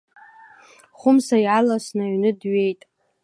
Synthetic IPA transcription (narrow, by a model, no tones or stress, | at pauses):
χʷʊmsajʕalasnaɥnɨdɥe̞jtʼ